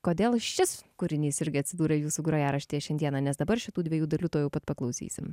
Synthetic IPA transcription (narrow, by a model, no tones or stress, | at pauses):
koːd̪ʲeːlˠʃʲɪskʊɾʲɪnʲiːsɪɾʲɡʲɪɐt̪ʲsʲɪd̪uːɾɐjuːsuːɡɾoːjɛɾɐʃʲt̪ʲeːjɛʃʲɛnd̪ʲiɛnɑːnʲɛsd̪ɐbɐɾʃʲɪt̪uːd̪ʲʋʲiɛjuːd̪ɐlʲuːt̪oːjɛʊpɐt̪pɐklˠɒʊsʲḭːsʲɪm